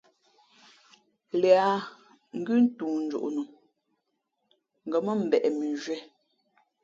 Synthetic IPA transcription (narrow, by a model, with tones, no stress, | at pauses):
lɛ˨a˨ | ŋ̩˦ɡʉ˦n̩˦tuː˨n̩˦d͡ʒṵ˨ʔnu˨ | ŋ̩˨ɡɔ˨mə˦m̩˨bɛ˨ʔɛ˨mi˨ʒɥɛ˦